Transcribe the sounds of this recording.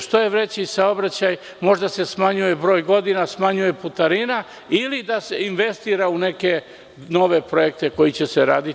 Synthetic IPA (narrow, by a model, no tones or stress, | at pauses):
ʃt̪ojeʋɾet͡ɕisao̞bɾat͡ɕaj | mo̞ʒd̪ase̞smaɲuje̞bɾo̞ːjɡo̞d̪inasmaɲuje̞put̪aɾina | ilid̪aseinʋe̞st̪iːɾaune̞ke̞ | no̞ʋe̞pɾo̞jek̚t̪e̞ko̞jit͡ɕeseɾaːd̪i